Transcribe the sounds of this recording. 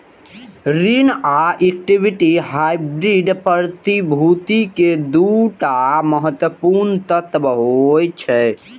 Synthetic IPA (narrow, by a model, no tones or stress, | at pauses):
ɾinaek̚ʈibʱiʈiɦajbɾiɖpɾt̪ibʱut̪iked̪uʈaməɦət̪wəpuɾnt̪ət̪ʋəɦojt͡ʃʰɛ